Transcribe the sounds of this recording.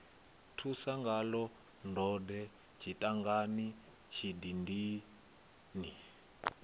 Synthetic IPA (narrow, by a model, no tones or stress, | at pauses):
tʰusaŋɡalɔ | ndɔdɛ | t͡ʃʰitʼaŋɡani | t͡ʃʰidindi | ni